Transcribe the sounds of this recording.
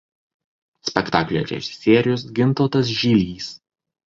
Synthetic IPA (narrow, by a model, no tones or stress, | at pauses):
sʲpʲɛkt̪ɑːklʲḛːɾʲɛ̰ʒʲɪ̥sʲeːɾʲɪjʊsɡʲɪnˑt̪oːt̪ɐs̬ʒʲiːlʲiːs